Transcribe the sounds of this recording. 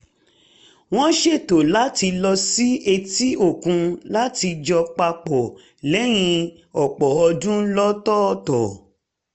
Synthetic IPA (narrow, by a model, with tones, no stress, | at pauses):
w̃ɔ̃˦ʃe˦˨to˨la˨˦ti˧lɔ˧si˦e˧ti˦o˦˨kũ˧la˦ti˧d͡ʒɔ˧k͡pa˧k͡pɔ˨ | lɛ˨˦j̃ĩ˧ | ɔ˨k͡pɔ˨ɔ˧dũ˦lɔ˦tɔ˦˨tɔ˨